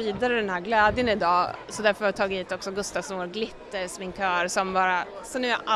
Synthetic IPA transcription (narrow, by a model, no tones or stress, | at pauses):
iːd̪aɾəd̪ɛnhæːɾɡlɛːd̪jənɪd̪ɑːsɔd̪æɾfœɾhavɪt̪ʰɑːɡɪt̪hiːt̪ɔksɔɡɵst̪avsmɔːɾɡlɪt̪ːəɾsmɪŋkʰœːɾsɔmbɑːɾasɔnʉːa̰ʔa